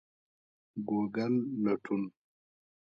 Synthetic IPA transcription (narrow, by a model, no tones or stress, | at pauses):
ɡoːɡɐlːɐʈʰun